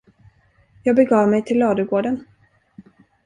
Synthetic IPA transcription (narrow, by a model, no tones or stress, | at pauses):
jɑːɡ̚bɛɡɑːvmɛjt̪ʰɪlːɑːd̪əɡoːɖən